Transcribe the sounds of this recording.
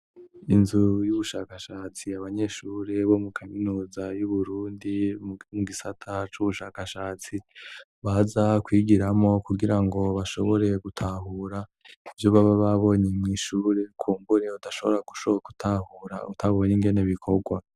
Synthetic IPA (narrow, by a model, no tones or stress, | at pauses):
inzujuβuʃaːkaʃaːt͡siaβaɲe̞ʃuːɾe̞βo̞mukʰaminuːzajuβuɾuːndimuɡisatʰat͡ʃuβuʃaːkaʃaːt͡si | βazakwiːɡiɾamo̞kuɡiɾaŋɡo̞βaʃo̞βo̞ɾe̞ɡutʰaɦuɾa | ivjo̞βaβaβaβo̞ɲemŋiːʃuːɾe̞kʰuːmbuɾe̞udaʃo̞βo̞ɾaɡu̥ʃoku̥tʰahuɾa̰ṵtʰaβo̞ɲiŋɡe̞neβikʰo̞ɡwa